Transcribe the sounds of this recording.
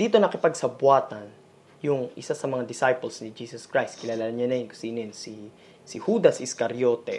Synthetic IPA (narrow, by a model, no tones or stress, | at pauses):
d̪iːt̪o̞nɐkɪpɐɡ̚sɐbwaːt̪ɐn | jʊŋʔɪsasɐmɐŋad̪ɪsajpolsnɪd͡ʒiːsɐskɹajst̪̚kɪlaːlanɲanɐjɛnkʊ̥sinɪnsi | sɪhuːd̪ɐsɪskɐɾjo̞ːt̪ɛ̰